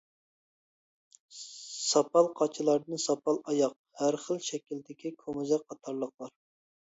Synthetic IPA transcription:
sɑpɑlˠqʰɑt͡ʃʰilˠɑɾd̪ɨnsɑpʰɑlˠɑjɑq̚ | hæɾχəlˠʃɛkʲild̪ɪkʲikʰomuzɛqʰːɑt̪ʰɑɾlˠəqlˠɑɾ

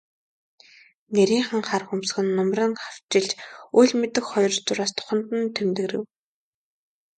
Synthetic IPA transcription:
neɾʲiːŋχə̆ŋχarxumsxɘ̆nːɔmrə̆ŋχaw̥t͡ɕɪ̆ɮt͡ɕuːɮʲmet̪ɘ̆kχɔjɞ̆rt͡sʊɾaːst̪ʰʊ̥χɞ̆nt̪ə̆nt̪ʰemt̪ɘ̆ɾɘ̆w

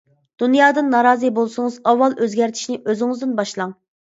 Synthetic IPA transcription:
d̪̥unjɑːd̪ɨnːɑɾɑːzɨbolˠsʊŋɨzɑwːɑlˠʔøzɡʲɛɾt̪ʰi̥ʃnɪʔøzɪŋɨzd̪ɨnbɑʃlˠɑŋ

